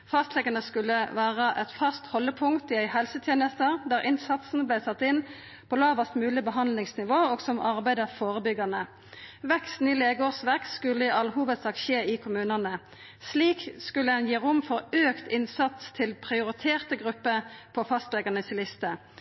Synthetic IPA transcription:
fɑst̪lɛɡɑnəskʉlːəʋæːʁəʔɛt̪fɑst̪hɔlːəpʰʊŋkt̪ɪæɪhɛlsət̪ʰjeːnəst̪əʁd̪æːʁɪnsɑt̪sn̩blæɪt̪ʰɑt̪ːɪn | pʰɔlɑːʋəst̪mʉːlɪbəɦɑnd̪lɪŋsnɪʋoːoːɡsɔmʔɑʁbæɪd̪əʁfoːʁəbʏɡɑnə | ʋɛkst̪n̩ileːɡoːʁsʋɛkt̪skʉlːəɪʔɑlɦuːʋəd̪sɑːk̪̚ʃeːɪkʰʊmʉːnənə | sliːkskʉlːəɛnjiːʁʊmfɔʁøːkt̪ʰɪnsɑt̪st̪ʰɪlpʰʁɪʊʁɪt̪ʰeːʁt̪əɡʁʉpːəpʰɔfɑst̪lɛɡɑnəsɪlɪst̪ə

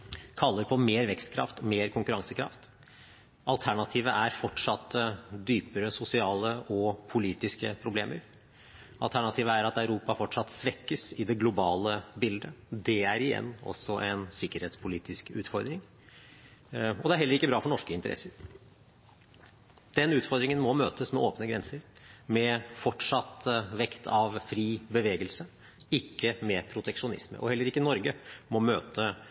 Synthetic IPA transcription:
kʰɑlːəɾpʰɔmeːɾʋɛkst̪kʰɾɑ̰ft̪ɔmeːɾkʰʊŋkʉɾɑŋsəkʰɾɑ̰ft̪ | ɑlt̪ʰæɳɑt̪ʰiːʋəʔæɾfɔʈʂɑt̪ːəd̪yːpəɾəsʊsɪɑːləɔpʰʊliːt̪ɪskəpʰɾʊblḛːməɾ | ɑlt̪ʰæɳɑt̪ʰiːʋəæɾɑt̪œʉɾuːpɑfɔʈʂɑt̪ːsʋɛkːəsɪd̪ɛɡlʊbɑːləbɪld̪əd̪ɛæɾɪjɛ̰nːɔ̰sːɔʔɛnsɪkːəɾheːt̪spʰʊliːt̪ɪskʉːt̪fɔɾd̪ɾɪŋ | ɔd̪ɛæɾɦɛlːəɾɪkːəbɾɑːfɔɳɔʂkəɪnt̪əɾɛ̰səɾ | d̪̥ɛnʉːt̪fɔɾd̪ɾɪŋənmɔmøːt̪əsmɛʔoːpnəɡɾɛnsəɾmɛfɔʈʂɑt̪ʋɛkt̪ʰɑʋfɾiːbəʋeːɡəlsə | ɪkːəmɛpʰɾʊt̪ʰɛkʂʊnɪ̰smə̰ʔɔhɛlːəɾɪkːənɔɾɡəmɔmøːt̪ʰə

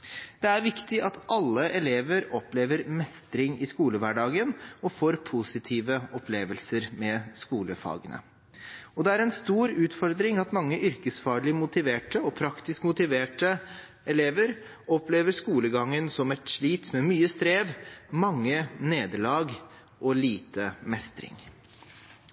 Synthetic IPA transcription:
d̪̥ɛæɾʋɪkt̪ɪʔɑt̪ʔɑlːəʔɛleːʋəɾɔpleːʋəɾmɛst̪ɾɪŋɪskuːləʋæɖɑːɡənɔfoːɾpʰʊsɪt̪ʰiːʋəɔpʰleːʋəlsəɾmɛskuːləfɑ̰ːɡənʔə̰ | ɔd̪ɛæɾɛnst̪uːɾʉːt̪fɔɾd̪ɾɪŋɑt̪mɑŋːəʔʏɾkəsfɑːɭɪmʊt̪ɪʋeːʈəɔpʰɾɑkt̪ɪskmʊt̪ɪʋeːʈə | ɛleːʋəɾ | ɔpleːʋəʂkuːləɡɑŋːənsɔmɛt̪ʂɭiːt̪mɛmyːəst̪ɾeːʋmɑŋːəneːd̪əlɑːɡ | ʔɔliːt̪əmɛst̪ɾɪ̰ŋ

